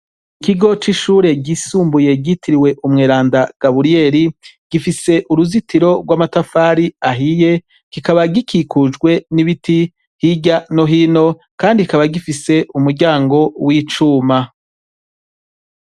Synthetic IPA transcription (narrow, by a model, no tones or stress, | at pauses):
ikiɡo̞t͡ʃiʃuːɾe̞ɟisuːmbuje̞ɟitiɾiwe̞ʔumŋeːɾaːndaɡ̥aβuɾie̞ɾiɡ̥ifise̞ʔuɾuzitiɾo̞ɡwamatafaɾiaɦije̞ | kikaβaɡikʰikud͡ʒɡwe̞niβiti | hiɟano̞ɦiːno̞ | kaːndikaβaɡifise̞ʔumuɾɟaːŋɡo̞wiːt͡ʃuːma